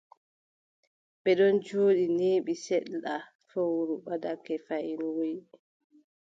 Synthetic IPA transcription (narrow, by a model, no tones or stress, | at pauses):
ɓɛɗɔnd͡ʒoːɗineːɓisɛɗːa | fowɾuɓadakɛfajinwoj